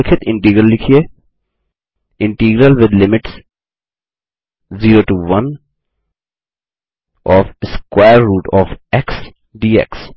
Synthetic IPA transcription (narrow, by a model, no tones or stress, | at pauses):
ɪkʰɪt̪ʰɪ̃ɳʈiːɡɾəlːɪkʰie | ɪ̃ɳʈiːɡɾəlʋɪd̪lɪmɪʈs | ziːɾoːʈuːʋɐn | ɔːfskwaːɾːuːʈɔːfɛks | ɖiːɛ̰ks